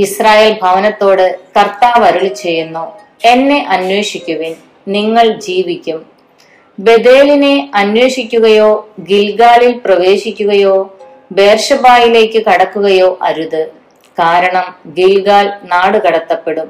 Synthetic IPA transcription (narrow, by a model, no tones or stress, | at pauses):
israːje̞ːlbʱɐʋɐnɐt̪ːo̞ːɽɨkɐrt̪aːʋɐɾuɭit͡ɕe̞jːunːoː | e̞nːe̞ʔɐnwe̞ːʂikʲːuʋin | niŋːɐɭd͡ʑiːʋikʲːum | be̞d̪e̞ːline̞ɐnwe̞ːʂikʲːuɣɐjo̞ːɡilɡaːlilprɐʋe̞ːɕikʲːuɣɐjo̞ː | be̞ːrʂɐbaːjile̞ːkːɨkɐɽɐkːuɣɐjo̞ːʔɐɾuðɨ | kaːɾɐɳɐmɡilɡaːlnaːɽɨkɐɽɐt̪ːɐpːe̞ɽum